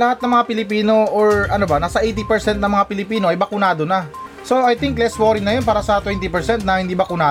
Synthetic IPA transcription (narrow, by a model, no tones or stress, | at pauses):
lɐhat̪nɐŋmɐŋapɪlɪpiːno̞ʔoɹɐnobɐnaːsɐʔɛjt̪ipɛɹsɛnt̪̚nɐŋmɐŋapɪlɪpiːnoʔɐjbɐkʊnaːd̪o̞nɐ | so̞ɐjt̪ɪŋklɛswoɾɪŋnɐjonp̬aːɾɐsɐt̪wɛnt̪ipɛɹsɛnt̪̚nɐhɪnd̪iːbɐkʊnaː